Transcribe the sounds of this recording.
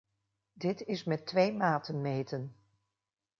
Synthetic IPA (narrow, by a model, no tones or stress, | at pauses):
dɪtɪsmɛtːʋejmaːtənmejtən